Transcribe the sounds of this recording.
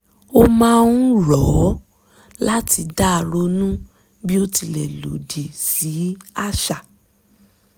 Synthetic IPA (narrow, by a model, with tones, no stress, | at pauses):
o˦˧mãː˦˧n̩˦ɾɔ˨˦ | la˦tʰi˧da˦˨ɾo˧nũ˦ | bi˦o˦ti˧lɛ˨lo̰˨di˨si˨˦a˦ʃa˨